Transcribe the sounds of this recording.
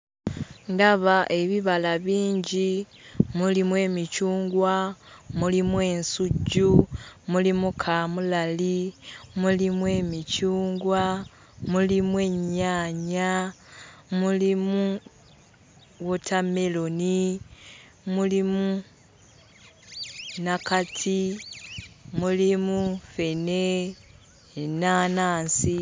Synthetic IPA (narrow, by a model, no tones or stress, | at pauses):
ndaβaʔe̞βiβalaβiːɲɟimulimwe̞ːmicuːŋɡwamulimwe̞ːnsuɟːumulimukʰaːmulalimulimwe̞ːmicuːŋɡwa | mulimwe̞ːɲaːɲa | mulimu | wotʰame̞loni | mulimu | nakatʰi | mulimufe̞ne | naːnaːnsi